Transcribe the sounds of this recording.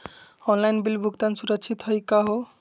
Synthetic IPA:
ɔnlajnbilbʱuɡt̪ansuɾʌkt͡ʃʰit̪ɦʌjkaɦo

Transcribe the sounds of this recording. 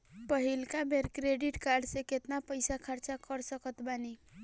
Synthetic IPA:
pəɦilkabʱeɾkɾeɖiʈkaɾɖseket̪napəɪsakʰəɾt͡ʃakəɾsəkət̪bani

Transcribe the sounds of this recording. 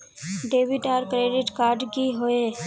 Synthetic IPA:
ɖeːbiʈaːɾkɾeːɖɪʈkaːɾɖɡiɦoe

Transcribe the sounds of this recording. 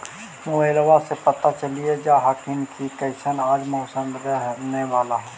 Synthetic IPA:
moəlʋasepət̪at͡ʃəlied͡ʒaɦakʰɪnkʰikəɪsənaːd͡ʒmoːsənɾɛɦneʋaːlaɦɛ

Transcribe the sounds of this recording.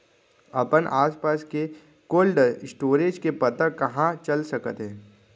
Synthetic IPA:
ɐpənʔaːspaːske | koːlɖɪsʈoːɾeːd͡ʒkepɐt̪ə̃kɐɦãt͡ʃɐlsɐkət̪ɦɛ̃ː

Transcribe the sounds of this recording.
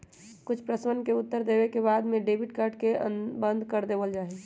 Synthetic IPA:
kʊt͡ʃʰpɾəswənkeʊt̪ːəɾd̪eːbekebaːd̪mẽɖeːbiʈkəɾʈkeəbə̃nd̪ʱkəɾd̪eːʋəld͡ʒaːɦe

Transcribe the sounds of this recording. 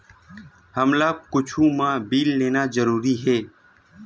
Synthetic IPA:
həmlaːkʊt͡ʃʰũːmãːbiːlːeːnaːzəɾuːɾiɦɛː

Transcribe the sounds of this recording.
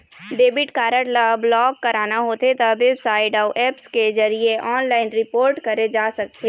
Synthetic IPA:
ɖeːbɪʈkaːɾəʈlablɔːkːɐɾaːnaɦoːt̪et̪aʋebsaːɪɖaʊʔɛːpskezɐɾieʔɔːnlaːɪnɾɪpoːɾʈkɐɾed͡ʒaːsɐk̚t̪eː

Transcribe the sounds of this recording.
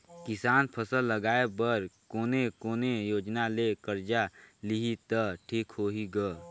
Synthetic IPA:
kɪsaːnpʰəsəlːəɡaːebəɾkoːnekoːnejoːd͡ʒnalekəɾd͡ʒaliɦit̪əʈʰiːkɦoːɦiɡə

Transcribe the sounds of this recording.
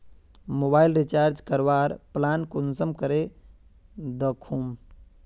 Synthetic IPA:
mobajlɾit͡ʃaːɾd͡ʒkəɾʋaɾplankunsəmkəɾe | d̪əkʰum

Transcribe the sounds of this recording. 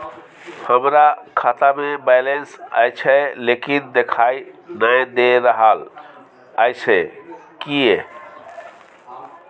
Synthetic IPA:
həmɾakʰat̪amebɛjlensə̰jt͡ʃʰɛlekind̪ekʰainəjd̪eɾəɦal | əjt͡ʃʰɛkie

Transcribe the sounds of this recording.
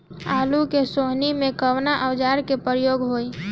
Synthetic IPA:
alukesoɦnimẽkəwnaʔəwd͡ʒaɾkepɾəjoɡɦoj

